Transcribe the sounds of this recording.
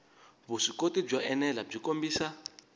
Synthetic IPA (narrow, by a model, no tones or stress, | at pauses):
βuʂikotib͡ʐaʔɛnɛlab͡ʐikombiːsa